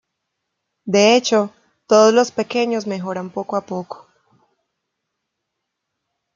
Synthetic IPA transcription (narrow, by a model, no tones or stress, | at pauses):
d̪e̞et͡ʃo̞ | t̪o̞ðozlo̞spe̞ke̞ɲo̞zme̞xo̞ɾampo̞koapo̞ko̥